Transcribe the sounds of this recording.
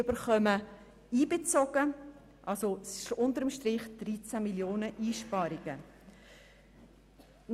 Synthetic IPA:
ʏbəɾχœmə | iːbet͡sɔɡ̥ə | ʔɑlsoʊnt̪əɾəmʃtɾɪχd̥ɾit͡sæmiljoːnəʔiːʃpɑːɾiɡ̥ə

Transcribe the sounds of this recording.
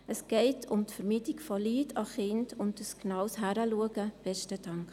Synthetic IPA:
əsɡ̥ɛɪtʰʊmtfəɾmitikfɔliːtʰɑχɪndʊntdəsknɑwshæɾəluəɡəb̥ɛstəd̥ɑŋk

